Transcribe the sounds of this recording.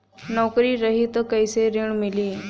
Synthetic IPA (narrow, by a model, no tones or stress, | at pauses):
nɔkɾiːɾəɦit̪əkəjseɾiɳmiliː